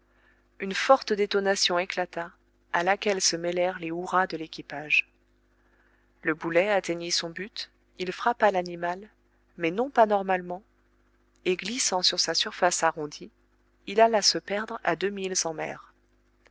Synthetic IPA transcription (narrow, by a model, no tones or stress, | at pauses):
ynfɔʁt̪d̪et̪ɔnasjɔ̃eklat̪a | alakʲɛlsəmɛlɛʁleuʁad̪əlekʲipaʒ | ləbulɛat̪eɲisɔ̃byt̪ | ilfχapalanimal | mɛnɔ̃panɔʁmalmɑ̃ | eɡlisɑ̃syʁsasyʁfasaʁɔ̃d̪i | ilalasəpɛʁd̪ʁa̰d̪ømilzɑ̃mɛ̰ːʁ